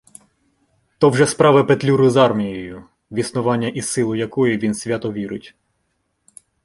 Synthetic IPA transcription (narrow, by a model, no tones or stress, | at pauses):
t̪ɔwʒɛspɾɑʋɪpet̪ʲlʲuɾʊzɑrmʲijɔjʊ | ʋʲisnʊʋɑnʲːɐʔisɪlˠʊjɐkɔjʊʋʲinsʲʋʲat̪ɔʋʲiɾʊtʲ